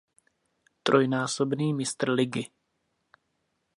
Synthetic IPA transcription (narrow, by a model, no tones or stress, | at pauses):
t̪ɾojnaːsobniːmɪst̪r̩lɪɡɪ